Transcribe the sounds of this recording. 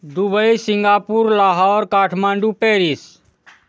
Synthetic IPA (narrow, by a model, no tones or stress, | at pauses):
d̪ubəisɪŋɡaːpuɾlaːɦaɔːɾkaːʈʰmãːɳɖupeːɾis